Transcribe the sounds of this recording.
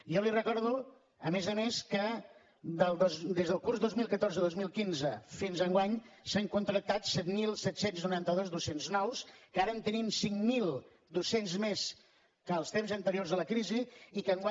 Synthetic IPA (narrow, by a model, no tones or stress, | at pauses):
jɔlirəkɔɾð̞u | əmezəmeskə | d̪əlˠd̪zd̪ezðəlˠkurzdozmilˠkət̪orzəðozmilˠkinzəfinzəŋɡwaɲsəŋkunt̪ɾək̚t̪at̪sɛt̪milˠsɛt̪senznuɾant̪əðozd̪usenznɔwskəaɾəːnt̪ənimsiŋmilˠ | d̪usenzmes | kəːlˠst̪emzənt̪əɾiorzðələkɾiziikəŋɡwa